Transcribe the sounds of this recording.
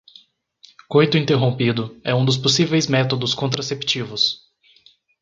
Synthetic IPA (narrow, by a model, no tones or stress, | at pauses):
kojt̪ʊĩnt̪eɦõpid̪ʊɛũd̪ʊs̬posivejzmɛt̪od̪ʊskõnt̪ɾasept͡ʃivʊs